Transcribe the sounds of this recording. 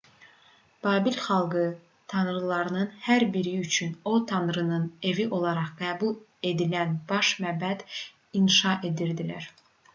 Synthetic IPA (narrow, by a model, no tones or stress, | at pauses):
b̥ɑːbilχɑlˠɡɯ | t̪ʰɑnɾɯlˠɑɾɯnɯnhæɾbiɾiyt͡ʃʰyno̞t̪ʰɑnɾɯnɯne̞viʔo̞lˠɑɾɑʁɡæːbulˠ | e̞d̪ilænb̥ɑʃmæbæd̪̥ | inʃɑʔe̞d̪iɾd̪ilæ̰ɾ